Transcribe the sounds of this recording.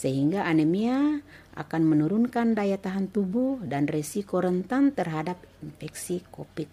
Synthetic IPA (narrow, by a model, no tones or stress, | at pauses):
səɦiŋɡaʔanɛmia | ʔa̰kanmɛnuɾunkandajat̪aɦant̪ubuhdanrɛsikɔɾənt̪ant̪ərɦadap̚infɛksikɔpit̪̚